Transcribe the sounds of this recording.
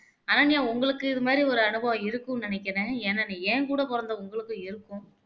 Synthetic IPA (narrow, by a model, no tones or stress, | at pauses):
aːnaːnɪjãːʊŋɡɐɭɯkːɯɪðɯmaːd̪ɾiɔɾɯɐɳɯbɐɪɾɯkːɯ̃nɪnɛk̬ʲːɪɾẽːɛnːɐnĩeːkuːɽɐpɔɾɐnd̪ɐʊŋɡɐɭɯkːɯ̃ɪɾɯkːʊ̃